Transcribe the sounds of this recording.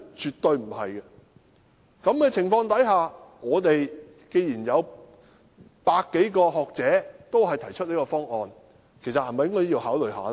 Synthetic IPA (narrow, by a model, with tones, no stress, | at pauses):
t͡ʃyː˨t̪ɵ˧ɥm̩˨˩hɐ˨jkɛ˧ | kɐ˨˥mɡɛː˧t͡sʰɪ˨˩ŋfɔː˧ŋt̪ɐ˨˥jɦaː˨ŋɔː˨˧t̪e˨j | ke˧jjiː˨˩njɐ˨˧w | paː˧kːe˨˥jkɔː˧ɦɔː˨k̚t͡sɛː˨˥t̪o˥whɐ˨˩jt̪ʰɐ˨˩jt͡ʃʰɵ˥t̚liː˥kɔː˧fɔː˥ŋʔɔː˨n | kʰe˨˩jsɐ˨t̚hɐ˨jmɐ˨jŋkɔː˥jiː˧whaː˨˥wlɵ˨˩ɥɦa̰ː˨l